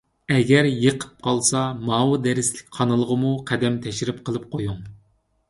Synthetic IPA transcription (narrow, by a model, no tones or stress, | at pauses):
ɛɡʲɛɾjəqʰə̥p̚qʰɑlˠsɑmɑːwɨd̪ɛɾɪslɪkʲqʰɑnɨlˠəʁəmuqʰæd̪ɛmt̪ʰɛʃɾɪp̚qʰəlˠɨp̚qʰojuŋ